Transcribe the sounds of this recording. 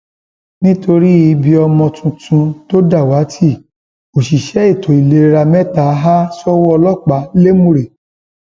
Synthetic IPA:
nĩ˦to˧ɾi˦i˧bi˧ɔ˧mɔ̃˧tʰũ˧tũ˧to˦da˦˨wa˨˦tʰi˦˨ | o˨ʃi˨ʃɛ˨˦i˦˨tʰo˨i˨le˧˨˧ɾa˧mɛ̃˦ta˨˦ɦa˦sɔ˦wɔ˦ɔ˧lɔ˦˨k͡pa˨˦le˦mũ˦˨ɾe˨

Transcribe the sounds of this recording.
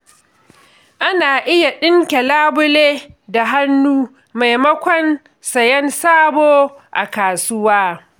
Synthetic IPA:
ʔa˦naː˨ʔɪ˦ja˨ɗɪ˦ŋkʲe˨laː˦bʊ˦leː˦da˨ɦa˦nːuː˦ | ma˨jmɐ˦kʷɔ˦n | sɐ˨jɛ˦nsaː˦boː˦ʔa̰˨kaː˨sʊ˦waː˦

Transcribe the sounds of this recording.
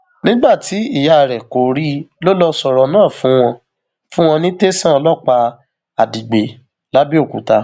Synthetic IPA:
nĩ˦ɡ͡ba˦˨ti˨˦i˦˨ja˨ɾɛ˨ko˨ɾi˦lo˦lɔ˧sɔ˧ɾɔ˧nãː˦˨fũ˦w̃ɔ̃˧ | fũ˦w̃ɔ̃˧nĩ˦te˦sã˦˧lɔ˦˨k͡pa˧ | a˨di˨ɡ͡be˨˦ | la˦bi˦o˦˨kṵ˨ta˧

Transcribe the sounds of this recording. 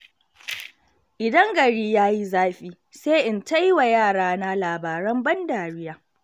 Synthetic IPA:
ʔɪ˨dɐ˦ŋɡɐ˨ɽiː˦jaː˦ji˦zaː˦ɸiː˦ | seː˦ʔɪ˨nta˦jwa˨jaː˦˨ɽaː˦na˦laː˨baː˨ɾɐ˦mbɐ˦ndaː˨ɽɪ˦jaː˦

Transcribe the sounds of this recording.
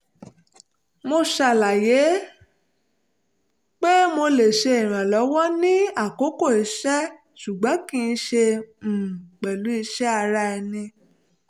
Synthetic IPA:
mo˧ʃa˨la˨je˨˦ | k͡pe˦mo˧le˨ʃe˧i˨ɾ̃ã˨lɔ˨˦wɔ˦nĩ˦a˦˨ko˨˦ko˦˨i˨ʃɛ˦ | ʃu˨ɡ͡bɔ̃˨˦kĩ˦˧n̩˦˧ʃe˧˨ | k͡pɛ˨lu˨˦i˧ʃɛ˦a˧ɾa˦ɛ˧nĩ˧

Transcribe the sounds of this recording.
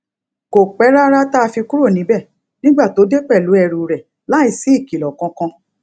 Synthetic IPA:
ko˨k͡pɛ˨˦ɾa˦ɾa˦ta˦a˧fi˧ku˦ɾo˦˨nĩ˨˦bɛ˦˨ | nĩ˦ɡ͡ba˦˨to˨˦de˦k͡pɛ˦˨lu˨˦ɛ˧ɾu˨ɾɛ˨ | la˨˦i˦˨si˨˦i˦˨ki˨lɔ˨kɔ̃˧˦kɔ̃˧

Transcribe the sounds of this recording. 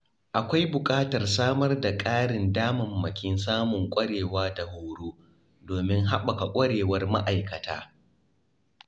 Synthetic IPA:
ʔa˨kʷa˦jbʊ˨kʼaː˦tɐ˨rsaː˦mɐ˦rda˨kʼaː˦ɽɪ˨ndaː˦mɐ˨mːɐ˨kʲɪ˦nsaː˦mʊ˨ŋkʷʼɐ˦ɽeː˨waː˦da˨hʊː˦ɽoː˦ | doː˨mɪ˦ŋɦa˦ɓɐ˨ka˨kʷʼɐ˦ɽeː˨wɐ˦rma̰˦ʔa˨jkɐ˨ta̰ː˦

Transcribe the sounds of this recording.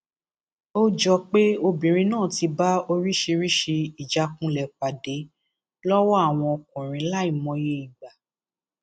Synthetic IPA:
o˦d͡ʒɔ˧k͡pe˦o˧bĩ˨ɾ̃ĩ˧nãː˦˨ti˧ba˦o˧ɾi˦ʃe˧ɾi˦ʃe˧i˨d͡ʒa˨˦kũ˦lɛ˨k͡pa˨de˨˦ | lɔ˦wɔ˦a˦˨w̃ɔ̃˧ɔ˧kũ˨ɾ̃ĩ˨˧˦la˦i˦˨mɔ̃˧je˧i˨ɡ͡ba˨

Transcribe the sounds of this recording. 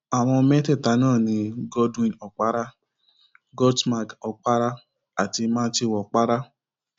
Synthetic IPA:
a˨w̃ɔ̃˧mɛ̃˦tɛ˦˨ta˨˦nãː˦˨nĩ˧ɡɔ˦dwĩ˦˨nɔ˨k͡pa˦ɾa˦ | ɡɔ˦dma˨kɔ˧k͡pa˦ɾa˦ | a˨ti˧mãː˦n˦t͡ʃe˦˨wɔ˨k͡pa˦ɾa˦

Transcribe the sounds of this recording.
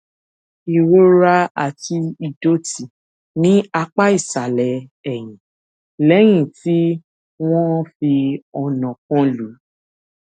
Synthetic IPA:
i˨wo˦ɾa˧a˨ti˧i˨do˦ti˨ | nĩ˨˦a˧k͡pa˦i˦˨sa˨lɛ˨ɛ˨j̃ĩ˨ | lɛ˨˦j̃ĩ˦˨ti˦ | w̃ɔ̃˦fi˧ɔ˧nɔ̃˨kɔ̃˦lu˨˦

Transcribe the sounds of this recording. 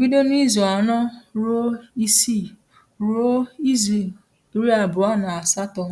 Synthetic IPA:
ɡi˦do˦ni˦zo˨a˨nɔ˦ɾo˦i˦si˦˨ | ɾo˦i˦ze˨l | ɾi˦a˨bʊ˨a˦na˨a˨sa˦tɔ˨˦

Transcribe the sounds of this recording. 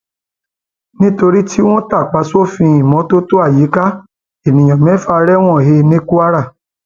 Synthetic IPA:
nĩ˦to˧ɾi˦tʰi˦w̃ɔ̃˦ta˦˨k͡pa˨˦so˦fĩ˧ĩ˨mɔ̃˨˦to˦to˦a˦˨ji˨˦ka˦ | e˨nĩ˨j̃ɔ̃˨mɛ̃˨˦fa˦˧ɾɛ˦w̃ɔ̃˦˨he˧nẽ˦ku˦a˦ɾa˦˨

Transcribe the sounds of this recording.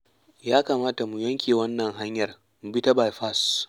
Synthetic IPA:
jaː˦kaː˨maː˦ta˨mu˨jɐ˦ŋkʲeː˨wɐ˦nːɐ˨ŋɦa˦ɲjɐ˨r | mu˨bi˦tɐ˦ba˨jɸa˦˨s

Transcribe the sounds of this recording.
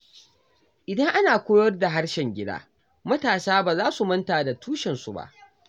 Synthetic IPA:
ʔɪ˨dɐ˦ŋʔa˦naː˨kʷoː˦jɐ˦rda˨ɦa˦ɽʃɛ˨ŋɡʲɪ˦da̰ː˦ | mɐ˦taː˨saː˦baː˨zaː˦su˨mɐ˦ntaː˨da˨tuː˦ʃɛ˨nsu˨ba̰˦ʔ

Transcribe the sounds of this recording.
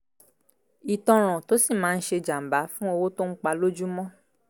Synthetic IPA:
i˨tɔ̃˧ɾ̃ɔ̃˨to˦si˦˨mãː˨˦˧n̩˦ʃe˧d͡ʒa˨m̩˨ba˨˦fũ˦o˧wo˦to˦ŋ̩˦k͡pa˧lo˦d͡ʒu˦mɔ̃˦

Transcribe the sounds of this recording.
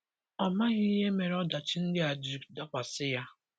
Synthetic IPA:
ɔ˨ma˦ɣɪ˦ɦe˦me˨ɾɔ˦da˨t͡ʃɪ˦n̩˦dɪ˦a˨d͡ʒi˨kda˦kʷa˨sɪ˦ja˦

